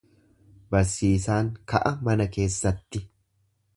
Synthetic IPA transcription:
bɐɾsiːsaːŋkɐʔɐmɐnɐke̞ːsːɐt̪ːɪ

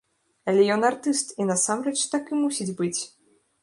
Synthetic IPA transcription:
ɐlʲɛjɔnart̪ɨst̪inɐsamrɛt͡ʂt̪akɨmusʲid͡zʲbɨt͡sʲ

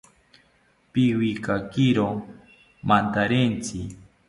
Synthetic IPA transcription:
piwikakiɾo | mant̪aɾent͡sɪ

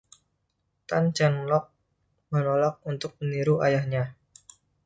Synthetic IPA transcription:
t̪and͡ʒanlɔk̚ | mənolak̚unt̪ʊk̚məniɾuajahɲa

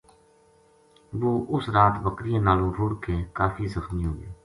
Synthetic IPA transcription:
ʋoːʔʊsɾaːt̪bəkɾɪjãːnaːlõːɾʱʊɽkeːkaːfiːzəxmiːɦoːɡeː

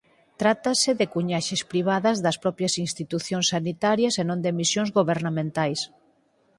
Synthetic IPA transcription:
t̪ɾat̪ɐsɪðɪkuɲaʃɪspɾiβ̞aðɐzðɐspɾɔpɾjɐsinst̪it̪uθjõŋsːanit̪aɾjɐsenõnd̪emisjõŋzɣoβeɾnamẽnt̪ajs

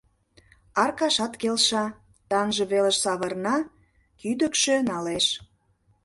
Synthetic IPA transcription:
ɑrkɑʃɑt̪kelʃɑ | t̪ɑnʒə̆βelə̆ʃsɑβə̆rnɑ | kyd̪əkʃø̆nɑleʃ

